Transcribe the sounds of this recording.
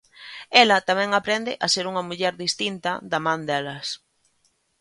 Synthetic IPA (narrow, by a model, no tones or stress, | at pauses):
ɛlɐt̪amɛ̃ŋapɾɛnd̪ɪʔaseɾuŋɐmuʎɛɾðist̪int̪ɐðamãnd̪ɛlɐs